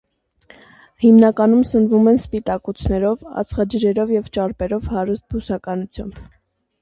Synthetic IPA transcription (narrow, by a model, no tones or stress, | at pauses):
himnɑkɑnumsənvumɛnspit̪ɑkut͡sʰnɛɾɔvɑ̰t͡sʰχɑd͡ʒəɾɛɾɔvjɛvt͡ʃɑɾpɛɾɔvhɑɾust̪̚busɑkɑnut͡sʰjɑ̰mb̥